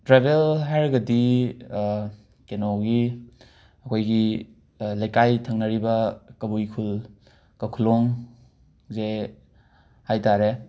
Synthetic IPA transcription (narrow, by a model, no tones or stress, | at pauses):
tɾabelɦajɾɐɡɐdi | kenoɡi | ɐkʰojɡi | lajkajtʰɐŋnɐɾibɐkɐbujkʰul | kɐkʰulɔŋ | ze | hajtaɾe